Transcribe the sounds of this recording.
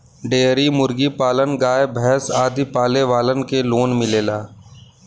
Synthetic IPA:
ɖeːɾimʊɾɡipaːlənɡaːebʱɛɦsaːd̪ipaːleʋaːlənkeloːnmɪleːlaː

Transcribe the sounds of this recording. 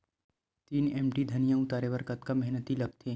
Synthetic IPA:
t̪iːneːmʈid̪ʱɐnijãʊt̪aːɾeʋɐɾkɐt̪kamɛɦnət̪ilɐɡ̚t̪ʰe

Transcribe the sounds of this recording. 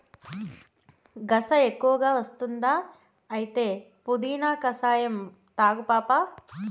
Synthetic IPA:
ɡɐsɐekːuʋɐɡaːʋɐst̪und̪aː | ɐjit̪eː | pud̪iːnaːkɐsaːjɐm | t̪aːɡupaːpaː

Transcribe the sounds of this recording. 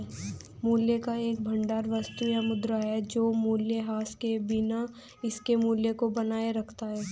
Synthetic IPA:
muːljekaeːk̚bʱɐ̃ɳɖaːɾʋɐst̪ujamʊd̪ɾaɦɛd͡ʒoːmuːljeɦaːskebɪna | ɪskemuːljekobɐnaːeɾɐkʰt̪aɦɛː

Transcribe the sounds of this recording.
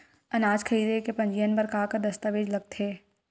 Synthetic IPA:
ɐnaːd͡ʒkʰəiːd̪ekepɐ̃ɲd͡ʒijənbɐɾkaːkɐɾd̪ɐst̪aʋeːd͡ʒlɐɡ̚t̪ʰeː

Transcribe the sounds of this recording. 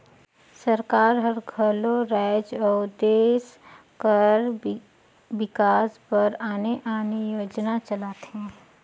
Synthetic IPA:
səɾkaːɾɦəɾɡʱəloɾaɪd͡ʒɔːd̪eːs | kəɾ | ʋɪkaːspəɾaːneʔaːnijoːd͡ʒnat͡ʃəlaːt̪eɦɛ̃ː

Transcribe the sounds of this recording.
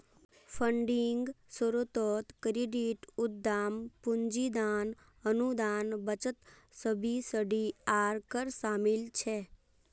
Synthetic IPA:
fʰəɳɖiŋɡsəɾot̪oːt̪kɾiɖiʈʊdd̪ːaːmpʊɲd͡ʒid̪an | ənud̪aːnbət͡ʃət̪səbʱisəɖiaːɾkəɾsamilt͡ʃʰe

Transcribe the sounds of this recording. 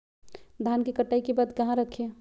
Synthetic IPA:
d̪ʱaːnkekəʈːaːikebaːd̪kɐɦãɾəkʰe

